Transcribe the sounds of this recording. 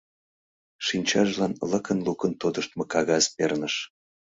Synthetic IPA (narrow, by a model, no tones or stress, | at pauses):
ʃinʲt͡ɕɑʒlɑnləkənlukənt̪od̪əʃt̪mɤ̆kɑɣɑzpernəʃ